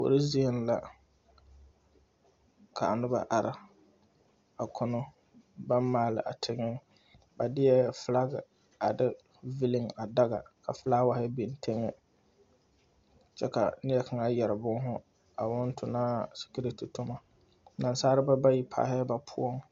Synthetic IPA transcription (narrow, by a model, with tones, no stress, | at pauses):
o̰˨ɾɪ˦zi˦e˦n˦la˨ | kʰa˨a˨nʊ˦ba̰˨ʔa˨ɾɪ˨ | a˨kʰʊ˦nʊ˦ | ba˦n˦maː˨lɪ̰˨ʔa˨tʰɪ˨ŋɪ˦ŋ | ba˨dɪ˦ɛ˦fla˦ɡɪ˨ | a˨dɪ˦ | vi˦lɪ˦ŋa˨da˦ɣa̰˨kʰa˨fla˦wa˨hɪ˦bɪ˨n˨tʰe˦ŋɛ˦ | t͡ʃɛ˦ka̰˨nɪ˦ɛ˦kʰa˨ŋa˦jɛ˨ɾɪ˨bʊ˦ŋ˦ɦʊ˦ | a˨wʊ˦n˦tʰʊ˨naː˦si̥˨ki˦ɾe˦tu˨tʊ˦ma˨˦ | na˨n˦saː˦ɾɪ˦ba˦ba˦ji˦pʰa̰ː˨hɛ˦ba˨pʰʊ˦ɔ˦ŋ